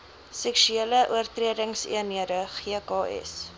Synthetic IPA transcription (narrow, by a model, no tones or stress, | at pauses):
sɛkʃyeləʔuərtriədəŋsḭəniədəχiəkɑːɛ̰s